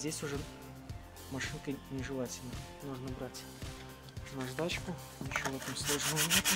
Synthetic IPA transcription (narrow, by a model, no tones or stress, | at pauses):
zʲdʲesʲʊʐɛ | mɐʂɨnkənʲɪʐɨlˠatʲɪlʲnəj | nuʐnəbɾatʲ | nɐʐd̪at͡ɕkʊ | jɪɕːovɛt̪əmslˠo̞ʐnəəbit̪ʲ